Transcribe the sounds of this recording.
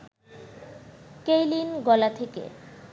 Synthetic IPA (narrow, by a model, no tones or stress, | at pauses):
kejlinɡɔlat̪ʰekḛ